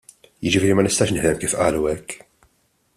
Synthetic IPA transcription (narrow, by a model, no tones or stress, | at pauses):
jɪd͡ʒɪfiːɾimɐnɪst̪ɐːʃnɪħd̪ɛmkiːfʔɐ̰ːluɛkː